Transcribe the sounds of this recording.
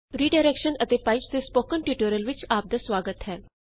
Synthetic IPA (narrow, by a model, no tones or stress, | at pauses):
ɾiːɖaɪɾɛkʃənət̪epaɪt͡ʃd̪espoːkənʈjuʈəɾəlʋɪt͡ʃaːp̚d̪asʋaːɡət̪ɦɛː